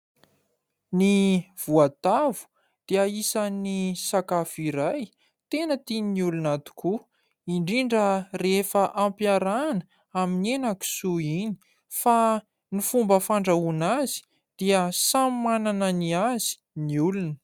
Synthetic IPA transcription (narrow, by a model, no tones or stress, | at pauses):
niv̥uat̪avu̥ | d̪̥eaisanisakafiɾaj | t̪enət̪ininiulunat̪u̥ku | iɳɖ͡ʐiɳɖ͡ʐərefəʔampjaɾanə | aminenaku̥suini̥ | fa | nifumbəfaɳɖ͡ʐaunazi̥ | d̪̥iəsamanananiazi̥ | niulunə̥